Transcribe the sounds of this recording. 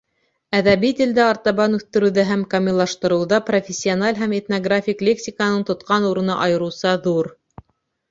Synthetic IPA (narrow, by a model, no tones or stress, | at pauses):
æðæβit̪ʲɘ̆ld̪ɘɑɾt̪ɑβɑnʉθt̪ɘ̆ɾʉ̆wðɘɦæmkɐmʲilˠɑʃt̪ɤ̆ɾɤ̆wðɑprofʲɪsʲːionalʲɦæmet̪noɡrafʲiklʲeksʲikənɤɴt̪ŏt̪qɑnuɾɤ̆nɤʔɑjɤ̆ɾɤ̆wsɑðuɾ